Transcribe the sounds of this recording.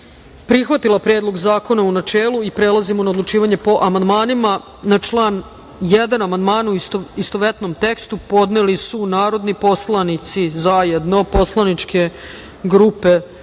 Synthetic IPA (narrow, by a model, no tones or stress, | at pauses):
pɾixʋat̪ilˠapɾed̪lˠo̞ɡzaːko̞naunat͡ʃeːlˠuipɾelˠazimonaod̪lˠut͡ʃiːʋaɲe̞po̞ʔamand̪maːnima | nat͡ʃlˠaːn | jɛd̪anamand̪maːnuiist̪oʋet̪no̞mt̪ekst̪upo̞d̪nelisunaːɾo̞d̪nipo̞slˠanit̪sizajed̪no̞po̞slˠanit͡ʃke̞ | ɡɾuːpe